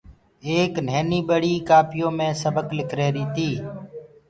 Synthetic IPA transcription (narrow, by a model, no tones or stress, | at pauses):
eːkn̤eːniːɓəɽiːkaːpɪjõːmẽːsəbəklɪkʰɾeːɾiːt̪ʰiː